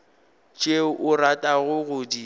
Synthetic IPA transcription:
t͡ʃʼeʊratʼaɣʊɣʊdi

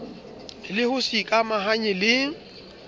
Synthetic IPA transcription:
lɪhʊsikʼamaɦaɲɪlɪ

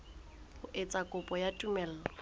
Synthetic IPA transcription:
hʊʔet͡sʼakʼʊpʼɔjatʼumɛl̩ːɔ

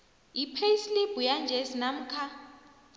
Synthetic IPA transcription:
ipʰeislib̥ʱujand͡ʒʱesinam̩kʰa

